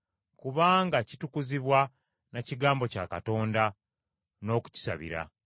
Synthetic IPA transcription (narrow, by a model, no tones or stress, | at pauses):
kuβaːŋɡacitukuziβwa | naciɡaːmbo̞ca̰ːkato̞ːnda | no̞ːku̥ci̥saβḭɾa̰